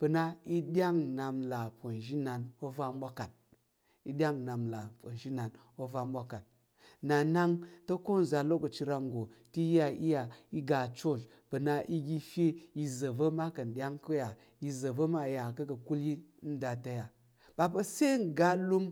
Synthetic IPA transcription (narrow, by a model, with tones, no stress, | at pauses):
pə˨na˦i˦ɗʲa˦ŋna˨mla˨pʷo˨n˨ʒi˦na˨no˦va˦m˦ɓʷa˦ka˨t̚ | i˨ɗʲa˦ŋna˨mla˨pʷo˨n˨ʒi˦na˨n | o˦va˦mɓʷa˦ka˨t̚ | na˨na˦ŋtə˦ko˦n˨za˨lo˦kə˨t͡ʃi˧ɾa˧ŋ˨ɡo˨ti˦a˨ʔḭ˦ja˨i˦ɡa˨t͡ʃo˦˨d͡ʒ | pə˨na˦ʔi˦ɡʲi˦fe˦ji˨zə˨və˦ma˦kɐ˨n˨ɗʲa˦ŋko˦ja˨ | ji˨zə˨və˦ma˦˨ja˨kə˦kə˨ku˦li˦n̩˦da˨ta˦ja˨ | ba˨pə˦se˦ŋ˨ɡa˦lu˦m